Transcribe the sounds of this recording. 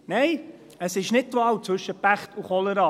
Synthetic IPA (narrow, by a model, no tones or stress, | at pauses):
nɛɪ | əsɪʃnɪt̚tʋɑːwt͡sʋɵʃəpæχtʰuχɔləɾɑː